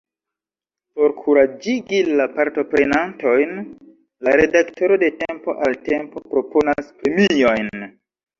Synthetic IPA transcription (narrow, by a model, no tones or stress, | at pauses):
po̞ɾkʰuɾad͡ʒiɡilapaɾto̞pɾe̞nanto̞jn | laɾe̞dakto̞ɾo̞de̞tempo̞̰ʔalte̞mpo̞pɾo̞po̞naspɾe̞mio̞jn